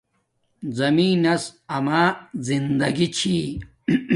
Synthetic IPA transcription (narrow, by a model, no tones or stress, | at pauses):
zɐmiːnɐsɐmaːzind̪ɐɡit͡ɕʰi